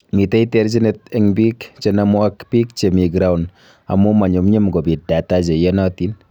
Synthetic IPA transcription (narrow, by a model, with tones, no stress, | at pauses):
mi˨tɛ˦i˦teɾd͡ʒi˦ne˦t̚ɛŋbi˦kt͡ʃe˦namo˦a˦kpi˦k̚t͡ʃe˨mi˨ɡɾa˦wn | a̰˨mu˦ma˨ɲu˨mɲe˦mɡo˨bi˨t̚da˨ta˦d͡ʒe˨je˦nɔ˦ti˦n